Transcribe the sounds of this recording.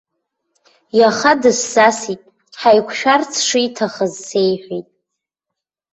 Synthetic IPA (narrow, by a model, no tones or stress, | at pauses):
jaχadɨsːasitʼ | ħajkʷʰʃᶣart͡sʰʂijtʰaχəzːe̞jħʷijtʼ